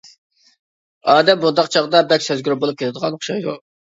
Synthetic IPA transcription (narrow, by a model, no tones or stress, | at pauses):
ɑːd̪ɛmːund̪ɑqt͡ʃʰɑʁd̪ɑbɛkʲsøzɡʲyɾɪbolˠup̚kʲʰelʰɪd̪əʁɑnχʃɑjd̪u